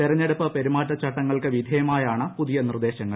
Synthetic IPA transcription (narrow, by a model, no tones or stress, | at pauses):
t̪iɾɐɲːe̞ɽupːɐpe̞ɾimaːtːɐt͡ɕːɐʈːɐŋːɐɭkɨʋid̪ʱejɐmaːjaːɳɨpuðijɐnird̪e̞ːɕɐŋːɐɭ